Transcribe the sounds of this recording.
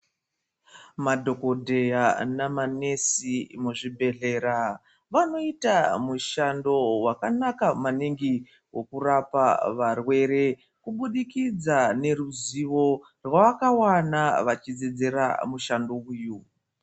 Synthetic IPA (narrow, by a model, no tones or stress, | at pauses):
madʱo̞ko̞dʱe̞janamane̞simuʐibʱe̞ɮe̞ːɾa | ʋano̞itamuʃando̞wakanakamaniŋɡi | wo̞kurapaʋarwe̞ɾe̞ | kuɓuɗikid͡zane̞ruziʋo̞ | rwaʋakawanaʋat͡ʃid͡zed͡ze̞ɾa̰muʃando̞uːju